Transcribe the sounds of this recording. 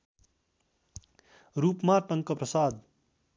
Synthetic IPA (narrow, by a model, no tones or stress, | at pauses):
ɾuːpmaʈʌŋkəpɾʌsaːd̪